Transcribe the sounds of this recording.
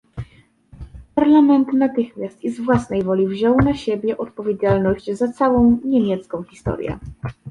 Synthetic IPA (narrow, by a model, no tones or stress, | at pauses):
paɾlamɛnt̪nat̪ɘxmʲjast̪izvwasnɛjvɔlʲivʑɔwnaɕebʲjɛʔɔt̪̚pɔvʲjed͡ʑalnɔʑt͡ɕzat̪sawɔ̃w̃ɲemʲjɛt̪skɔ̃w̃xʲist̪ɔ̰ɾʲjɛ̰